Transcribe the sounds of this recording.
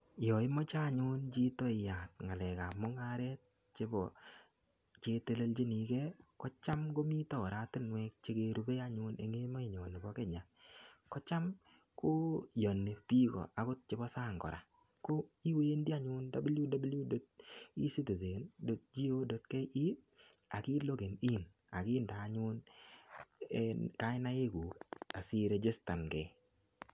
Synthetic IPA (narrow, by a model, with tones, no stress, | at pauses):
jɔ˨ɪ˦mɔ˦t͡ʃa˦˨ɲʊ˦nt͡ʃi˦tɔ˦˨ja˨tŋa˨lɛ˨ka˨mʊ˦ŋa˦ɾɛ˦t̚ | t͡ʃe˦bɔ̰˨ | t͡ʃe˦te˦le˦ld͡ʒi˦ni˨kɛ˦kɔ˦t͡ʃa˦mɡo˦mi˦tɔ˨ɾa˨˦tɪ˦nwɛ˦k̚t͡ʃe˦ke˨ɾu˦be˦a˦ɲʊ˦nḛ˨ŋe˦mɔ˦i˨ɲɔ˨ne˨bɔ˦kɛ˦ɲa˨kɔ˦t͡ʃa˦m | ko˦jɔ˨nːe˨pi˦kɔ̰˨a˨kʊ˦t̚t͡ʃɪ˦bɔ˦sa˦˨ŋɡɔ̰˨ɾa̰˨ | ko˦i˦we˦e˦ndi˦a˦ɲʊ˦nda˦blju˦da˦blju˦do˦t̚i˦si˦to˨ze˨ndo˨t̚d͡ʒi˦o˦do˨t̚ke˦ʔi˦ | a˨kɪ˦lo˦ɡe˨ni˦n | a˨kɪ˦nda˨˦ɲʊ˦n | ka˨˦ɪ˦na˦je˦ɡu˨ka˨sɪ˦ɾe˨d͡ʒe˦sta˨nɡɛ˨